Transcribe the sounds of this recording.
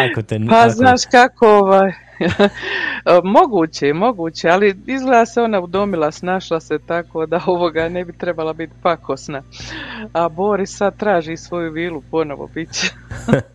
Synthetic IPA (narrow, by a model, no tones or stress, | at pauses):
paznaːʃkako̞oʋaːj | mo̞ɡuːt͡ɕemo̞ɡuːt͡ɕealiizɡleːd̪aseo̞naud̪o̞milˠasnaʃlˠase̞t̪ako̞ːd̪ao̞ʋo̞ɡanebit̪ɾe̞balabit̪pakʰosna | abo̞ɾissad̪̚t̪ɾaːʒiːsʋo̞juʋiːlupo̞no̰ʋo̰bit͡ɕe